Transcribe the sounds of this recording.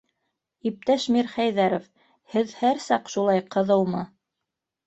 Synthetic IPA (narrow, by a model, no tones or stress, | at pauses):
ip̚t̪æʃmiɾχæjðæɾof | hɘðhæɾsɑqʃulˠɑjqɤ̆ðɤw̪ˠmɤ